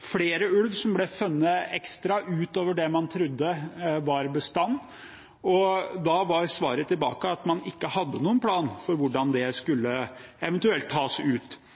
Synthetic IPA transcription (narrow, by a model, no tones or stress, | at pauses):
fleːɾəʉlʋsɔmblɛfʉnːəɛkst̪ɾɑʔʉːt̪oːʋəɖɛmɑnt̪ʰɾʉd̪ːəʋɑɾbəst̪ɑnː | ɔd̪ɑʋɑɾsʋɑːɾət̪ʰɪlbɑ̰ːkəɑt̪mɑnɪkːəhɑd̪ːənuːənpʰlɑːnfɔɾʋʊɖɑnd̪ɛskʉlːəɛʋɛnt̪ʉɛlt̪ʰːɑːsʉːt̪